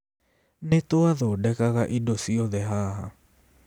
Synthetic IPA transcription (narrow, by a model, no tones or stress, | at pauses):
net̪oaðodɛkaɣaʔidosioðɛɦaːɦa